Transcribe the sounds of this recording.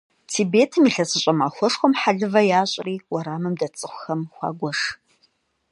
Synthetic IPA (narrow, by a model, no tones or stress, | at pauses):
tʰiːbeːtʰɨmiɬɐsɨɕʷʼɐmaːxʷɔʂxʷɔmħaɮɨvɐjaːɕʼriːwɐɾaːmɨmdɐt͡sʼɨxʷʊxɐmxʷɑ̰ːɡʷɔʂ